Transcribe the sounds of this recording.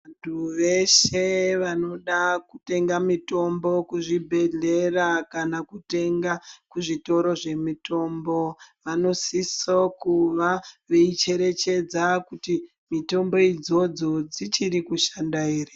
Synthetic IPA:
antʰuʋe̞ʃeʋano̞ɗakute̞ŋɡamito̞mbo̞kuʐibʱe̞ɮe̞rakanakute̞ŋɡakuʐito̞ɾo̞ʐe̞mito̞ːmbo̞ʋano̞sisokuʋaʋeit͡ʃe̞ɾe̞t͡ʃe̞d͡zakuti | mito̞mbo̞id͡zo̞d͡zo̞d͡zit͡ʃiɾikuʃandaeːre

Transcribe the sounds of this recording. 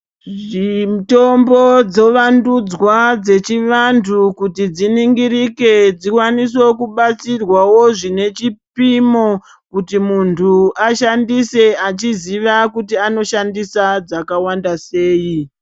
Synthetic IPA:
ʐimto̞mbo̞d͡zo̞ʋandud͡zwad͡ze̞t͡ʃiʋantʰukutid͡ziniŋɡiɾike̞d͡zikwanis̬o̞kuɓat͡sirwawo̞ʐine̞t͡ʃipimo | kutimuntʰuaʃandise̞at͡ʃiziʋakutiano̞ʃandisad͡zakawandase̞ːji

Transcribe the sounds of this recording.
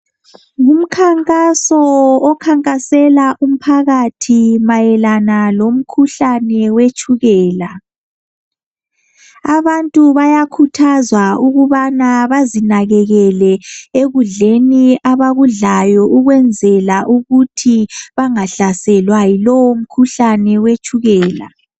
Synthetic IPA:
ŋum̩kʰaŋkʼasɔɔkʰaŋkʼasɛlaʔum̩pʰaɣatʰimajɛlanalom̩kʰuɬanɛwet͡ʃʼuɣɛːla | aβantʼuβajakʰutʰazwauɣuβanaβazinaɣɛɣɛlɛeɣuɮeniaβaɣuɮajɔʔuɣwɛnd͡zʱɛlaʔuɣutʰiβaŋaɬasɛlwajilɔwom̩kʰuɬanɛwet͡ʃʼuɣɛːla̰

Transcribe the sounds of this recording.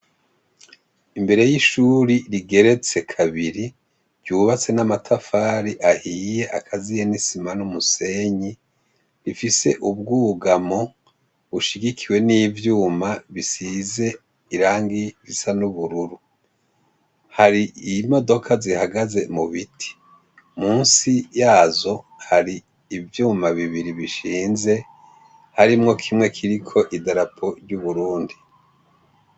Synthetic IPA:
imbe̞ɾe̞jiʃuɾiɾiɡe̞ɾe̞t͡se̞kʰaβiɾi | ɾɟuːβat͡se̞namatʰafaːɾiʔahije̞ʔakʰazijenisimanumuse̞ɲi | ɾifise̞ʔubɡuːɡamo | βuʃiɡikʰiwe̞niːvjuːmaβisize̞ | iɾaːŋɡiɾisanuβuɾuɾu | haɾiimo̞do̞kʰazihaɡaze̞muβitʰi̥ | muːnsijaːzo̞ | haɾiː | vjuːmaβiβiɾiβiʃiːnze̞ | haɾimŋo̞kʰimŋe̞kʰiɾikʰo̞ʔidaɾapʰo̞ɾɟuβuɾuːndi

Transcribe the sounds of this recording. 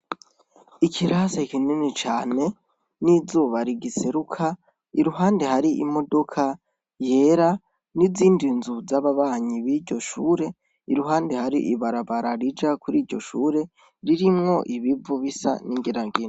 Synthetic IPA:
ikʰiɾasaikininit͡ʃaːne̞ | nizuːβaɾiɡise̞ɾukʰa | iɾuɦaːndehaɾiʔḭmo̞do̞kʰa | je̞ɾa | niziːndinzuzaβaβaːɲiβiɾɟo̞ʃuːɾe̞ | iɾuɦaːndehaɾḭʔiβaɾaβaɾaɾid͡ʒakuɾiːɾɟo̞̰ʃuːɾe̞ | ɾiɾimŋo̞ʔiβiuβisa̰niŋɡiɾaŋɡiːn

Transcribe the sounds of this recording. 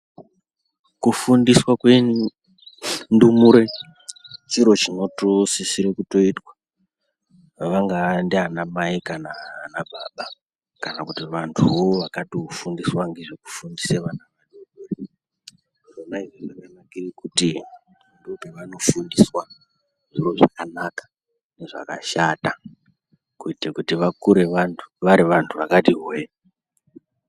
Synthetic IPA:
kufundiswakwen | ndumuɾe̞ | t͡ʃiɾo̞t͡ʃino̞tosisiɾekuto̞itwa | ʋaŋɡandeɦanamaikanaːnabʱaɓa | kanakutiʋantʰuoʋakatoofundiswaŋɡeʐeku̥fundiseʋanaʋaɗoere | ronaiʐoʐakanakirikuti | ndopeʋano̞fundiswa | ʐiro̞ʐakanakḁ | ne̞ʐa̰kaʃata | kuitekutiʋakuɾeʋantʰu̥ʋaɾiʋantʰuʋakatiɦwe

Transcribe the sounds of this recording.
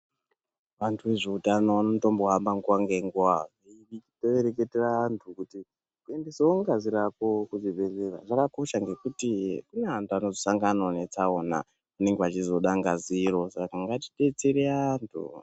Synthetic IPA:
ʋantʰuʋe̞ʐeutanoʋanomuto̞mboɦambaŋɡuwaŋɡe̞ŋɡuwaʐiitoeɾeketeraːntʰukuti | kue̞ndeseoŋɡaziɾako̞kuzibʱe̞zera̰ʐakako̞ʃaŋɡe̞kutikuneantʰuano̞zosaŋɡano̞ne̞t͡sao̞na̰ | une̞ŋɡeat͡ʃizo̞ɗaŋɡaziɾo̞sakaŋɡati̥ɗe̞t͡seɾeaantʰṵ

